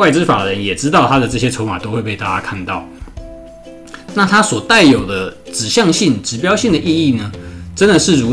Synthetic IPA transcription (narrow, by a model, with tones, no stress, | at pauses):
wa˥˩ɪʈ͡ʂɻ̩˥fa˨˩d̪ə˦ɻə˧˦njɛ˨˩ʈ͡ʂɻ̩˥t̪ɑ˥˩ʊt̪ʰa˥d̪ə˨ʈ͡ʂɤ˥˩ɕjɛ˦˥ʈ͡ʂʰo˧˥ʊma˨˩t̪o˥ʊxwe˥˧ɪpe˥˧ɪt̪a̰˥˩t͡ɕja˥kʰa˥˧nt̪ɑ˥˩ʊ | na˥˨˩t̪ʰa˥swɔ˨˩t̪a˥˩ɪjo˨˩ʊd̪ə˦ʈ͡ʂɻ̩˨˩ɕjɑ˥˧ŋɕi˥˩ŋʈ͡ʂɻ̩˧˥pjɑ˥ʊɕi˥˩ŋd̪ə˩ʔi˥˧i˥˩nə˩ʈ͡ʂə˥nd̪ə˨ʂɻ̩˥˩ɻu˧˥